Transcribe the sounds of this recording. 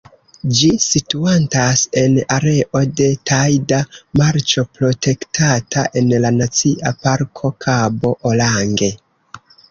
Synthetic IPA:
d͡ʒisituantase̞naɾe̞ʔo̞de̞tʰajdamaɾt͡ʃo̞pɾo̞te̞ktʰatʰaʔe̞nlanat͡siʔapaɾkʰo̞kʰabo̞ʔolaŋɡe̞

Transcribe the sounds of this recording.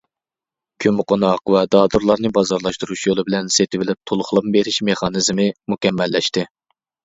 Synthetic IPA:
kʲʰymqonɑqvɛd̪ɑːd̪uɾlˠɑɾnɨbɑzɑɾlˠɑʃt̪uɾuʃjolˠɨbɪlɛnset̪ʰɪvɪlɪp̚t̪ʰolˠʊχlˠɑpbeɾɪʃmeχɑnɨzmɪmukʲɛmːɛlːɛʃt̪ɪ

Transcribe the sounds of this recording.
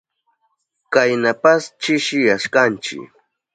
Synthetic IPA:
kajnapast͡ʃɪʃɪjaʃkant͡ʃɪ̰k

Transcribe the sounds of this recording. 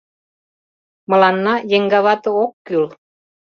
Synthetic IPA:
mɤ̆lɑnːɑjeŋɡɑβɑt̪ɤ̆okːyl

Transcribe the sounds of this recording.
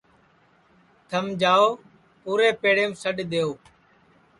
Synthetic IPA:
t̪ʰəmd͡ʒaːoː | puːɾeːpeːɽeːmsəɗɗ̪eːoː

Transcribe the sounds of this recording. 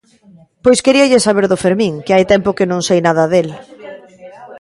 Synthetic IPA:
pojskeɾiaʎesaβ̞eɾðʊfeɾmĩŋkeajt̪ɛmpʊkɪnõŋsejnað̞ɐðel

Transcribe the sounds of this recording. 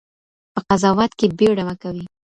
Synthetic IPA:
pəqazɑwɑt̪kebewɽamakawi

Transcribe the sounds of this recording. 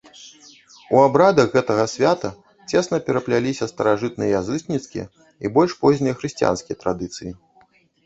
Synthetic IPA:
uabɾad̪ɐɣɣɛt̪ɐɣɐsʲvʲat̪ɐ | t͡sʲɛsnɐpʲɛɾɐplʲalʲisʲɐst̪ɐɾaʐɨt̪̚nɨjɐjazɨsknʲit̪skʲijɐ̰ | ibɔlʲʂpɔzʲnijɐxɾɨsʲt͡sʲija̰nskʲijɐt̪ɾad̪ɨt̪sɨji

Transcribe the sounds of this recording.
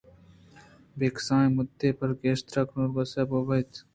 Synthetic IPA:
beːksãːmʊd̪ːepɐɾɡeːʃt̪ɾɐknuɾbɐsɐbobɐt̪

